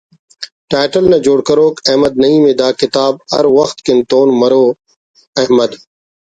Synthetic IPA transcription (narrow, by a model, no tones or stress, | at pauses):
ʈaːʈəlnẽːd͡ʑoːɽkəɾoːkɛɦməd̪̚nɐĩːmẽːd̪aːkɪt̪aːbhɐ̰ɾʋəxt̪kɪnt̪oːnmɐɾoː | ɐɦməd̪